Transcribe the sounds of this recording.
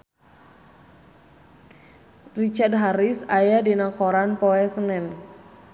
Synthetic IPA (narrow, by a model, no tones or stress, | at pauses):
rit͡ʃard̚ɦaɾisajadinakɔɾanpɔɛsənɛn